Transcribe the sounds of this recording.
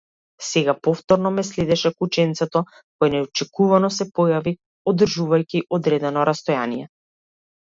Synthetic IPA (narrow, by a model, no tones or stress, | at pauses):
sɛɡapɔft̪ɔɾnɔmɛslɛd̪ɛʃɛkut͡ʃɛnt̪sɛt̪ɔ | kɔjɛnɛɔt͡ʃɛkuvanɔsɛpɔjavi | ɔd̪r̩ʒuvajciʔɔd̪ɾɛd̪ɛnɔɾast̪ɔjanijɛ